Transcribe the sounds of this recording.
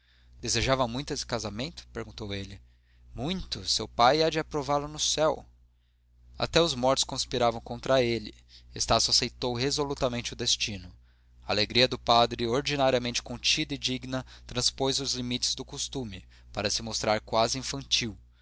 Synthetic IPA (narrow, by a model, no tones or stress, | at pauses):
d̪ezeʒavɐmũj̃t̪ʊesɪ̥kazamẽnt̪ʊ̥peɾɡũnt̪owelɪ | mũj̃t̪ʊsewpajad͡ʒɪapɾovaɾlʊnʊsɛw | a̰t̪ɛʊzmɔɾt͡ʃ̪ʊ̥skõspiɾavɐ̃w̃kõnt̪ɾɐelɪ | est̪asʊasejt̪owɦezolut̪ɐmẽnt͡ʃɪʊd̪est͡ʃĩnʊ | ɐaleɡɾiɐd̪ʊpad̪ɾɪoɾd͡ʒinaɾiɐmẽnt͡ʃɪ̥kõnt͡ʃid̪ɐɪd͡ʒiɡnɐt̪ɾɐ̃spojzʊzlimit͡ʃɪ̥zd̪ʊkost̪ũmɪ | paɾɐsɪmost̪ɾaɾkwazɪĩfɐ̃nt͡ʃiw